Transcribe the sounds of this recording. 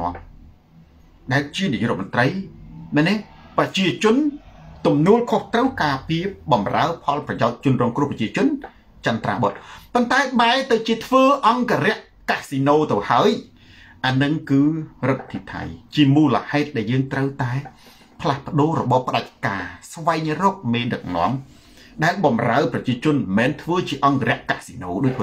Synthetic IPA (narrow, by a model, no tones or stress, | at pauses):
ŏəm | ɗaɛlt͡ɕiəniʔjṵʔːrɔ̰t̪̚mŏnt̪rəjmanɛprɑt͡ɕiət͡ɕʊ̆ənt̪umnuəlkʰoht̪rəwkaːpiəɓɑmra̰əpʰɑlprɑjaɔc̚t͡ɕʊ̆ənrɔːŋkrŭəhprɑt͡ɕiət͡ɕʊ̆ən | t͡ɕant̪ra̰ːɓot̪̚pont̪aɛɓaɛt̪ɨwt͡ɕiət̪ʰʋəːʔɑŋkaːɾɛ̆əʔ | kasinoːt̪ɨwhaəj | ʔanɨŋkɨːrət̪̚t̪ʰːit̪ʰa̰jt͡ɕiəmuːləhaɛt̪̚ɗaɛljəːŋt̪rəwt̪aɛ | pʰlahpə̆ɗoːrɔɓɑhpə̆ɗac̚kaːsʋaɛŋrɔːk̚meːɗɨk̚nŏ̰əm | ɗaɛlɓɑmra̰əprɑt͡ɕiət͡ɕʊ̆ənmɛːnt̪ʰʋəːt͡ɕiəʔɑŋkɾɛ̆əʔkasinoːɗoːc̚pː